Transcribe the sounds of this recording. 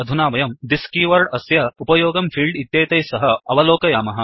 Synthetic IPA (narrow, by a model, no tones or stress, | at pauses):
ɐd̪ʱunaːʋɐjɐmd̪iskiːʋɐɾɖɐsjɐupɐjoːɡɐmfʰiːlɖit̪jeːt̪ɐjsɐɦɐɐʋɐloːkɐjaːmɐɦɐ̆